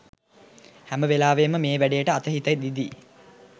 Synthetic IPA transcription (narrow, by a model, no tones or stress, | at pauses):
hæməʋelaːʋeːməmeːʋæɖejəʈəat̪əɦit̪əjd̪id̪iː